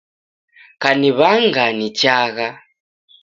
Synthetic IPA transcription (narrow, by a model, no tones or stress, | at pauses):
kaniβaŋɡanit͡ʃaɣa